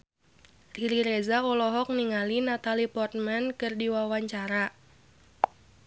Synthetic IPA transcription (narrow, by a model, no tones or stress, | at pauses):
riɾiɾezaɔlɔɦɔk̚niŋalinat̪alipɔrt̪̚mɛnkɨrdiwawaɲt͡ʃaɾa